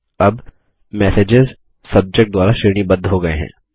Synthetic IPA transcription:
ɐb | mɛːseːd͡ʒɪz | sɐb̚d͡ʒek̚ʈ̚d̪ʋaːlaʃɪɾɽ̃ibɐ̃nd̪ʱːɦoɡɐḛɦɛ̰̃ː

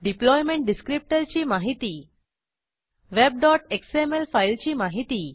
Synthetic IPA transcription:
ɖiplɔjmẽɳʈ̚ɖiskɾip̚ʈəɾt͡ɕiːmaɦit̪iː | ʋeb̚ɖɔʈeksemelfailt͡ɕiːmaɦit̪iː

